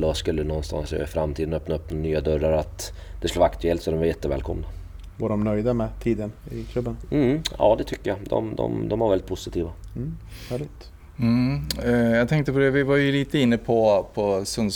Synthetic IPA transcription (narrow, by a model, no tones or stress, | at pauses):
lːɔskɵlːənɔnːst̪a̰nsfɾamt̪ʰiːd̪ənœpnaɵpːnyːad̪œɾːaɾat̪ | d̪̥ɛskɵlːvakt̪ɵɛlt̪sɔd̪ɔmvaɾjɛt̪ːəvɛ̰ːlkʰɔmna | vaɖɔmnœjd̪amɛt̪ʰiːd̪ənɪkʰlɵbːənm̩ɑ̰ːd̪ɛt̪ʰʏkːəjad̪ɔ̰md̪ɔ̰md̪ɔmvaɾvɛlːɪt̪pʰʊsɪt̪ʰiːvahæːɭɪɡt̪̩ | jɑt̪ʰɛŋkt̪əpɔd̪ɛvɪvajɵliːt̪əɪnːəpʰɔpʰɔsɵn